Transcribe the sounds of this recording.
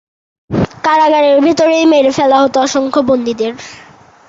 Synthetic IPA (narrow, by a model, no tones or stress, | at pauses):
kaɾaɡaɾeɾbʱit̪oɾejmeɾefɛlaɦot̪oɔʃoŋkʰobond̪id̪eɾ